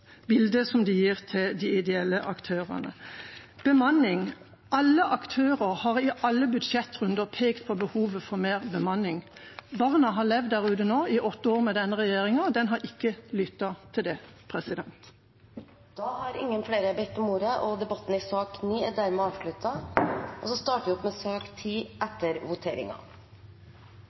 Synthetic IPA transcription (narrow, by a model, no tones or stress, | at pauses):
bɪld̪əsɔmd̪ɪjiːʁt̪ʰɪld̪ɪɪd̪ɛɛlːəʔɑkt̪ʰøːʁə̰nə̰b̥əmɑnɪŋ | ʔɑlːəʔɑkt̪ʰøːʁəʁhɑʁɪʔɑlːəbʉd̪ʃɛt̪ːʁʉnd̪əʁpʰeːkt̪pʰɔbəhuːʋəfɔʁmeːʁbəmɑnːɪŋbɑʁnɑɦɑlɛʋd̪æʁʉːd̪ənoːɪʔɔt̪ːəoːʁmɛd̪ɛnːəʁɛjeːʁɪŋɑd̪ɛnɦɑɾɪkːəlʏt̪ːɑt̪ʰɪld̪ɛpʰʁɛsɪd̪ɛnt̪ | d̪̥ɑhɑɾɪ̰ŋːənfleːɾəbɛt̪ːɔmuːɾəʔɔd̪ɛbɑt̪ːn̩ɪsɑːkniːd̪æɾmɛɑːʋʂlʉt̪ɑʔɔsɔst̪ɑːʈʋɪɔpmɛsøːkt̪ʰiːʔɛt̪ːəɾʋʊt̪ʰeːɾɪ̰ŋɑ̰